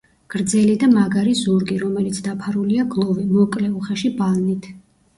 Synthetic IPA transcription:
ɡ̥ɾd̪zɛlid̪amaɡaɾizuɾɡiɾɔmɛlit̪sʰd̪apʰaɾuliaɡlˠɔvimɔkʼlɛuχaʃibalˠnit̪ʰ

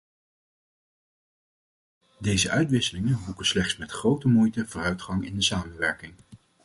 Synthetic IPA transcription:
dejzəʔœɥtʋɪsəlɪŋənbukənslɛχtsmɛtχrowtəmujtəvʊːrœɥtχɑŋɪndəsaːmənʋɛɹkɪŋ

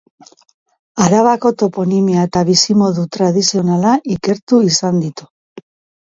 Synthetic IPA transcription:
aɾaβako̞t̪o̞po̞nimiaet̪aβisimo̞ðut̪ɾað̞isio̞nalaʔike̞ɾt̪uisand̪it̪u̥

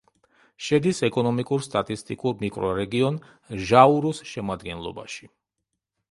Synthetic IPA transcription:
ʃɛd̪isɛkʼɔnɔmikʼuɾst̪ʼat̪ʼist̪ʼikʼuɾmikʼɾɔɾɛɡiɔn | ʒauɾusʃɛmad̪ɡɛnlˠɔ̰ba̰ʃi̥

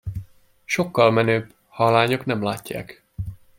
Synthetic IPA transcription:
ʃo̞kːɒlmɛnøːb | hɒlaːɲo̞knɛmlaːcːa̰ːk

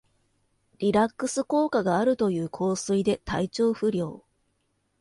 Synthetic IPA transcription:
ɾʲiɾakːɯ̟sɨko̞ːkaɡaːɾɯ̟t̪o̞jɯ̟ːkʰo̞ːsɨid̪e̞t̪a̰it͡ɕo̞ːɸɯ̟ɾʲjo̞̰ː

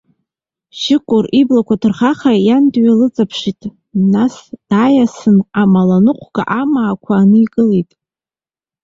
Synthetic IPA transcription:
ʃɪkʷʼʊriblakʷatʰɨrχaχajandɥalɨt͡sʼapʰʂitʼ | nasd̥ajasɨnamalanɨqʷʰɡ̥a̰ʔamaːkʷʰaːnɨikʼɨlejtʼ

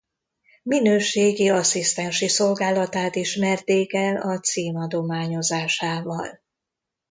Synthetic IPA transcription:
minøːʃeːɡiɒsist̪ɛnʃiso̞lɡaːlɒt̪aːt̪iʃmɛrt̪eːkɛlɒt̪siːmɒd̪o̞maːɲo̞zaːʃaːvɒl

